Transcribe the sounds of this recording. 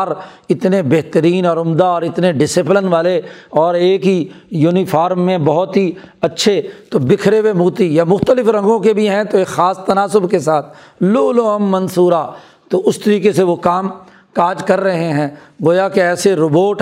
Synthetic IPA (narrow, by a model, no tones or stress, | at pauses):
ɾ | ɪt̪nebeɦt̪əɾiːnɔːɾʊmd̪aɔːɾɪt̪neɖɪsɪplənʋaːleɔːɾeːkɦijuːnifʰaːɾmːẽbɔɦʊt̪ɦi | ɐtːʃʰet̪oːbɪkʰɾeʋemuːt̪ijamʊxt̪əlɪfɾɐ̃ŋɡõkebʱiɦɛ̃t̪oexaːst̪ɐnaːsʊbkesaːt̪ʰ | loːloɦəmːɐ̃nsuːɾa | t̪oʊst̪əɾiːkeseʋokaːm | kaːd͡ʒkɐɾːɐɦeɦɛ̃ː | ɡoːjakeɛːseɾoboːʈ